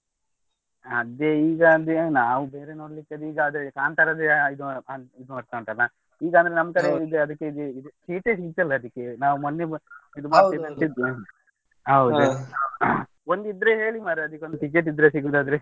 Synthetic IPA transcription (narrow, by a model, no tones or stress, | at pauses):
ɐd̪eiːɡɐd̪enaːʋubeːɾenoːɽlikːɐd̪uiːɡaːd̪ɾekaːnt̪aɾad̪eid̪uid̪umɐɽt̪aɳʈ̪ɐɾna | iːɡand̪ɐɾenɐmkɐɾeid̪eɐd̪ɐkːeid̪uid̪ut͡ʃiːʈesiɡt̪ːɐlːɐːd̪ikːenaːʋumonːeid̪umaːeɐnt̪id̪ːe | ɦɐwud̪u | ond̪id̪ːɾeɦe̞ːɭimaːɾɐd̪ikːeond̪ʈik̬ːeʈ̬ːid̪ɾesiɡuːd̪aːd̪ɐɾe